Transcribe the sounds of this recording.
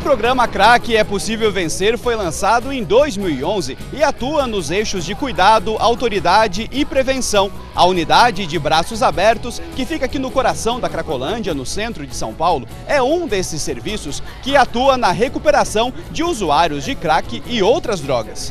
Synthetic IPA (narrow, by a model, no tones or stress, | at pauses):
ʊpɾoɡɾɐ̃mɐkɾakɪɛposivewvẽseɾfojlɐ̃sad̪ʊẽj̃d̪ojzmiwiõzɪ | ɪat̪uɐnʊzejʃʊzd͡ʒɪkujd̪ad̪ʊʔawt̪oɾid̪ad͡ʒɪʔɪpɾevẽsɐ̃w̃ | ɐ̰unid̪ad͡ʒɪd͡ʒɪbɾasʊzabɛɾt̪ʊskɪfikakinʊkoɾasɐ̃w̃d̪ɐkɾakolɐ̃d͡ʒɐnʊsẽnt̪ɾʊd͡ʒɪsɐ̃w̃pawlʊ | ɛũd̪esɪsːeɾvisʊskɪat̪uɐnɐɦekupeɾasɐ̃w̃d͡ʒɪuzuaɾjʊzd͡ʒɪkɾakɪɪowt̪ɾɐzd̪ɾɔɡɐs